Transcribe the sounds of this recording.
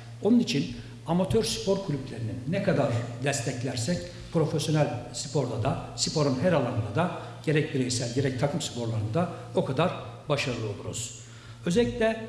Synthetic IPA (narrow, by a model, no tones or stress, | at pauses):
o̞nunit͡ʃʰin | amat̪ʰøɾspʰo̞ɾkʰlʲyplʲe̞ɾininɛkad̪aɾd̪ɛst̪ʰɛclʲæɾsɛc | pɾo̞fesjo̞nælʲsɯ̥pʰo̞ɾd̪ad̪asɯpʰo̞ɾunɦæɾalˠanɯd̪ad̪a | ɟ̥e̞ɾɛc̚biɾejisælʲɟe̞ɾɛc̚t̪ʰakʰɯmspʰo̞ɾlˠaɾɯnd̪ao̞kʰad̪aɾbaʃaɾɯlˠɯo̞lˠuɾṵz̥ | ø̞zelʲi̥c̪ʲlʲɛ